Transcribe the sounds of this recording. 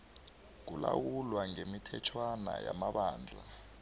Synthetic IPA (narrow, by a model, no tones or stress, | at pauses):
k̬ulawulwaŋemitʰɛt͡ʃʰwana̰jamaɓaːnd͡ɮʱa